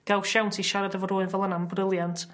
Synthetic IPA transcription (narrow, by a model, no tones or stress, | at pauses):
ɡ̥alˠʃawntʰiʃaɾadəvɔɾoɨvɛlˠənambrɪlˠjantʰ